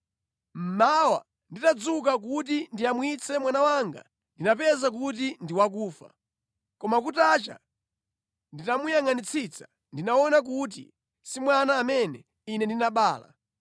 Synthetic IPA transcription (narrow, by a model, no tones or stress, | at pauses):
m̩mawa̰ | nditad͡zuk̬ak̬ut̬indiamwit͡sʰɛmwanawaŋɡa̰ | ndinapɛzak̬ut̬indiwak̬uːfa̰ | kɔmakutat͡ʃa̰ | nditamujaŋanit͡sʰit͡sḁ | ndinaɔnak̬ut̬ḭ | simwanaːmɛnɛ | inɛndinaɓaːla̰